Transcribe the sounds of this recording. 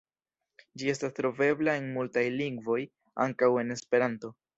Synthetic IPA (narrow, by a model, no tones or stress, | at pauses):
d͡ʒie̞stastɾo̞ve̞blae̞nmultajliŋɡvo̞j | a̰ŋkawe̞ne̞spe̞ɾanto̞